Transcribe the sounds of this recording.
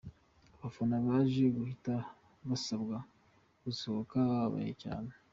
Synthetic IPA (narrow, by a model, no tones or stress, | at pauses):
aβafonaβaːʒeɡuhita | βasabɡa | ɡ̥usoβokaβaβa̰jḛca̰ːne